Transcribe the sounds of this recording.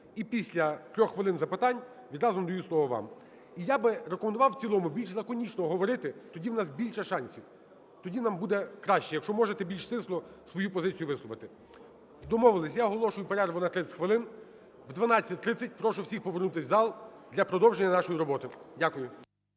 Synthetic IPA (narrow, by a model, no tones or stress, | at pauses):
ipʲisʲlʲɐt̪ɾʲɔxːʋɪlˠɪnzɐpɪt̪ɑnʲ | ʋʲid̪ɾɑzʊmd̪ɔjuslˠɔʋɔʋɑ̰m | ijabɪɾekɔmend̪ʊʋɑwt͡sʲilˠɔmʊbʲilʲʃzɐkɔnʲit͡ʃnɔɦɔɦɔʋɔɾɪt̪ɪt̪ɔdʲiwnɑsbʲilʲʃɐʃɑnʲsʲiw | t̪ɔdʲinɑmbud̪ɛkɾɑʃt͡ʃɛjɐkʃt͡ʃɔmɔʒet̪ɛbʲilʲʃsɪslˠɔsʋɔjupɔzɪt͡sʲijʊʋɪslˠʊʋɐt̪ɪ | d̪ɔmɔʋɪlˠɪsʲjaɔɦɔlˠɔʃʊjʊpeɾɛrʋʊnɐt̪ɾɪ̥xʋɪlˠɪn | ʋd̪ʋɐnɑt͡sʲːɐt̚ʲt̪ɾɪt͡sʲːɐt̚ʲpɾɔʃʊwsʲixpɔʋernut̪ɪwʲzɑlˠd̪lʲɐpɾɔd̪ɔwʒenʲːɐnɑʃɔjiɾɔbɔt̪ɪdʲakʊjʊ